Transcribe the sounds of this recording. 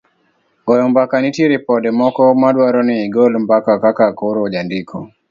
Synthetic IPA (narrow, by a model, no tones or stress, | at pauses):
ɡɔjɔmbakanitjeɾipɔdɛmɔkɔmadwaɾɔnɪːɡɔlmbakakakakoɾod͡ʒandɪkʰɔ